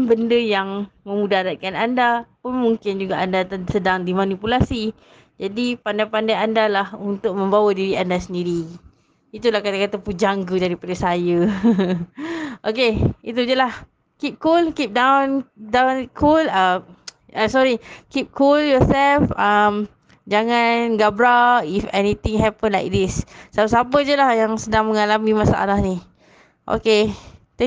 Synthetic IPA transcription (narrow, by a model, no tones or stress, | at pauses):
bəndəjaŋmə̃mudaɾat̪̚kanandapʊnmuŋkɪnd͡ʒuɡaʔandat̪sədaŋdimanipulasi | d͡ʒadipandajpandajandalahunt̪ʊk̚mə̃mbawadiɾiandasəndiɾi | it̪ulahkat̪akat̪apud͡ʒaŋɡədaɾipadasajə | ʔokeit̪ud͡ʒəlah | kip̚kulkip̚dãwndãwnkʰulam | asɔɹikip̚kʰuljɔsɛlfam | d͡ʒaŋanɡabɾaifɛnit̪ĩŋɦɛpə̃nlajk̚d̪issapəsap̬əd͡ʒəlahjaŋsədaŋməŋalamimasa̰ʔa̰lahni | ʔo̰ket̪ɛ